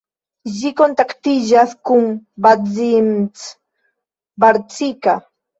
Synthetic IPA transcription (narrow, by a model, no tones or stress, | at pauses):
ʒikont̪akt̪iʒaθkuŋbad͡zimt͡s | baɾt͡sika